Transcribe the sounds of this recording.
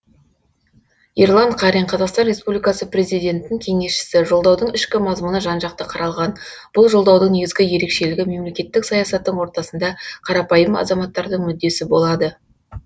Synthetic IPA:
irlˠɑnt̪qʰɑɾijɴqʰɑzɑqst̪ɑnrʲe̞spublijkɑsəpre̞zijd̪ʲe̞nt̪ɪnɪŋkʲʰe̞ŋe̞sʃɪ̥sɪʒo̞lˠd̪ɑwd̪əɴɪʃkʲɪmɑzmənəʒɑnʒɑq̚t̪əqʰɑɾɑlˠʁɑn | b̥ʊlˠʒolˠd̪ɑwd̪əɴne̞ɡʲɪzɡʲɪje̞ɾe̞kʃe̞lɪɡʲɪme̞mle̞kʲe̞t̪ːɪksɑjɑsɑt̪ːəɴwo̞ɾt̪ɑsənd̪ɑqʰɑɾɑpɑjəmɑ̰zɑmɑt̪ːɑɾd̪əɴmʏd̪ːe̞sɪbo̞lˠɑd̪ə

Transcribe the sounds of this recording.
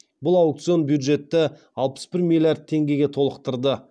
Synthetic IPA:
bʊlˠawk̚t̪sɨio̞nbjud̪ʒe̞t̪ːɪ | ɑlˠpə̥sbɪɾmʲilʲijard̪̚t̪ʰe̞ŋɡʲe̞ɡʲe̞t̪ʰo̞lˠəqt̪əɾd̪ə

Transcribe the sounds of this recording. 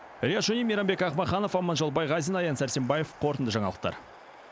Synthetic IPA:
ɾʲijat̪ʒɵnimʲeɾambe̞kɑχmɑχɑnofɑmɑnʒɑlˠbɑjʁɑzinɑjɑnsæɾse̞mbɑje̞fqʰo̞ɾt̪ənd̪əʒɑɴɑlˠəq̚t̪ɑ̰ɾ

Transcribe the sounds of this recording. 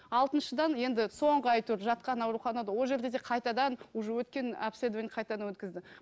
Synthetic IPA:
ɑlˠt̪ənʃəd̪ɑnje̞nd̪ɪso̞ɴʁəɑjt̪ʰʊɾʒɑt̪̚qɑnɑwɾuχɑnɑd̪ɑwo̞lˠʒe̞ɾd̪e̞d̪e̞qʰɑjt̪ɑd̪ɑnʊʒəwɵt̪kʲe̞napsed̪enqʰɑjt̪ɑd̪ɑnwɵt̪kʲɪzd̪ɪ

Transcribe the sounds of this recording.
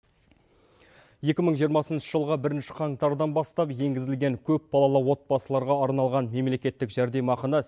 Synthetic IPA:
je̞kʲɪməɴʒijəɾmɑsənʃəʒəlˠʁəbɪɾɪnʃɪ̥qʰɑɴt̪ɑɾd̪ɑnbɑst̪ɑpje̞ŋɡʲɪzɪlɡʲe̞ŋkʲʰɵp̚bɑlˠɑlˠəwo̞t̪̚bɑsəlˠɑɾʁɑɑɾnɑlˠʁɑnme̞mle̞kʲe̞t̪ːɪkʒæɾd̪e̞mɑqənɑ

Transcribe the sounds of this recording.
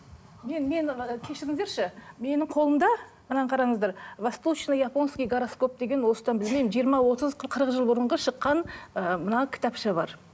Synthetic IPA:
me̞nme̞nkʲʰe̞ʃɪɾɪŋɪzd̪eɾʃɪme̞nɪɴqʰo̞lˠəmd̪ɑ | mənɑnqʰɑɾɑɴəzd̪ɑɾvast̪lˠut͡ʃnajapo̞nskʲijɡaɾosko̞p̚d̪e̞ɡʲe̞nwo̞lsə̥t̪ɑnbɪlme̞jmɪnʒijəɾmɑwo̞t̪əzqʰqʰəɾəqʒəlˠbʊɾəɴʁɑʃəqːɑnəmənɑkʲʰɪ̥t̪ɑpʃəbɑɾ

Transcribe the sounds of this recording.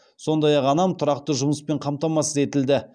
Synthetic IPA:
so̞nd̪ɑjɑqɑnɑmt̪ʰʊɾɑqt̪əʒʊməspe̞ɴqʰɑmt̪ɑmɑsəze̞t̪ɪld̪ɪ

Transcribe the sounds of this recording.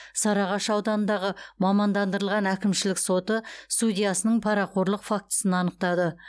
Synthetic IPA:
sɑɾɑʁɑʃɑwd̪ɑnənd̪ɑʁəmɑmɑnd̪ɑnd̪əɾəlˠʁɑnækʲɪmʃɪlɪkso̞t̪əst̪udʲijasənəɴpʰɑɾɑqʰo̞ɾlˠəqfak̚t̪ə̥sənɑnəq̚t̪ɑd̪ə

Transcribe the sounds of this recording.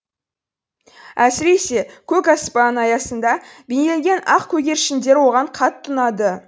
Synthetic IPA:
æsɪɾe̞se̞kʲʰɵkɑspɑnɑjɑsənd̪ɑbeneleŋɡʲe̞nɑqkʲʰɵɡʲe̞ɾʃɪnd̪e̞ɾwo̞ʁɑɴqʰɑt̪ʰːənɑd̪ə

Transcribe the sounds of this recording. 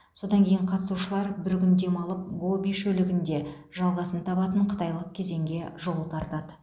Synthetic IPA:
so̞d̪ɑŋkʲʰe̞jɪɴqʰɑt̪əsuʃəlˠɑɾbɪɾkʲʏnd̪e̞mɑlˠəp̚ɡo̞biʃɵlɪɡʲɪnd̪e̞ | ʒɑlˠʁɑsənt̪ʰɑβɑt̪əɴqʰə̥t̪ɑjlˠəq̚kʲʰe̞ze̞ŋɡʲe̞ʒolˠət̪ʰɑɾt̪ɑd̪ə

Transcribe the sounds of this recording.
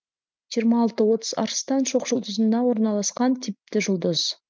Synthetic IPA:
ʒijəɾmɑːlˠt̪əwo̞t̪ə̥zɑ̰ɾst̪ɑnʃo̞qʒʊlˠd̪ʊzənd̪ɑwo̞ɾnɑlˠɑsqɑnt̪ʰɪp̚t̪ɪʒʊlˠd̪əz̥

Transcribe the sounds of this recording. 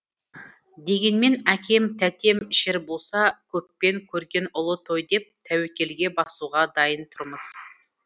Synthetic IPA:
d̪e̞ɡʲe̞nme̞nækʲʰe̞mt̪ʰæt̪e̞mʃɪɾbo̞lˠsɑkʲʰɵpːe̞ŋkʲʰɵɾɡʲe̞nʊlˠət̪ʰo̞jd̪e̞p̚t̪ʰæwekʲe̞lɡʲe̞bɑsuʁɑd̪ɑjənt̪ʰʊɾməz̥

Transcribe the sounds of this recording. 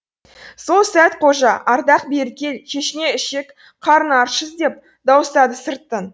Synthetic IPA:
so̞lˠsæt̪qʰo̞ʒɑʔɑɾd̪ɑq̚beɾkʲe̞lʃʲʰe̞ʃɪne̞ɪʃe̞k | qʰɑɾənɑɾʃəzd̪e̞p̚ | d̪ɑwəst̪ɑd̪əsəɾt̪ːən

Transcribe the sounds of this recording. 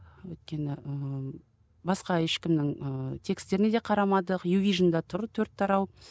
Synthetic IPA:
wɵjt̪̚kʲe̞nɪə | bɑsqɑeʃkʲɪmnɪŋət̪ʰe̞kst̪e̞ɾɪne̞d̪e̞qʰɑɾɑmɑd̪əqjuvʲijʒənd̪ɑt̪ʰʊɾət̪ʰɵɾt̪ʰːɑɾɑw

